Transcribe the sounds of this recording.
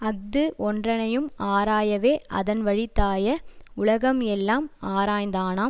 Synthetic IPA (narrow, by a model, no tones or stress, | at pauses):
ɐk̚d̪ɯʔɔndrɐnɐjɯmaːɾaːjɐʋeːʔɐ̰ðɐnʋɐɻɪt̪ːaːjɐʊɭɐɣɐmɛlːaːmaːɾaːjnd̪aːnaː